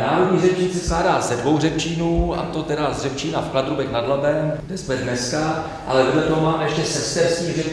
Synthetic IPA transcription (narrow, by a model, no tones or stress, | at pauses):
naːɾodɲiːɣrɛpt͡ʃiːnsɛsklaːdaːzɛdvo̞wrɛpt͡ʃiːnuːa̰t̪o̞t̪ɛdazrɛp̚t͡ʃiːnafklad̪ɾubɛknadlabɛmɡdɛsmɛdnɛska | ʔa̰lɛdodlɛt̪oɦomaːmɛjɛʃcɛsɛst̪ɛɾskiːɣrɛ